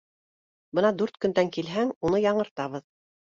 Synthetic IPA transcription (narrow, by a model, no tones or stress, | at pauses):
bɤnɑd̪ʉɾt̪kɵ̆nd̪æŋkilɦæŋunɤjɑɴɤ̆ɾt̪ɑβɤð